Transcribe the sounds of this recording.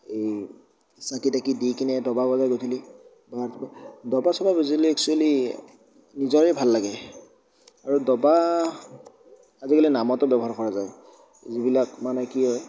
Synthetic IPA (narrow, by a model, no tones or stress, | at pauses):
ej | sakitakidikinɛdɔbabɔzajɡojtʰili | batbɔdɔbasɔbabɔziliɛksuali | nizɔɹɛbʱalːaɡɛ | aɹudɔba | azikalinamɔtɔbɛbɔɦaɹkɔɹazaj | zibilakmanɛkiɦɔj